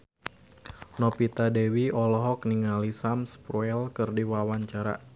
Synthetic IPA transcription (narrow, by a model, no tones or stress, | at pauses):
nɔpit̪adewiɔlɔɦɔk̚niŋalisamspɾuɛlkɨrdiwawaɲt͡ʃaɾa̰